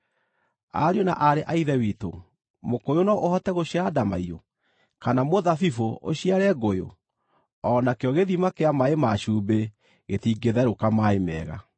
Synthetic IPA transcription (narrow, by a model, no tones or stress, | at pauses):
a̰ɾeona̰ʔaɾeʔaiðɛwiːto̰ | mokojonɔʔohɔtɛɣoɕiadamaio̰ | kanamoðafifoʔo̰ɕiaɾɛɡojo̰ | ɔnakeɔɣeðimakeamaemaɕuːbe | ɣeθiɡeðɛɾokamaemɛ̰ːɣa̰